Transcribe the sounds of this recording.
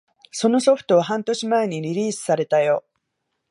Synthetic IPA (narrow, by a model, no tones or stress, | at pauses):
so̞no̞so̞ɸɯ̥t̪o̞βaɦãnt̪o̞ɕimae̞ɲ̟iɾʲiɾʲiːsɨ̥saɾe̞t̪ajo̞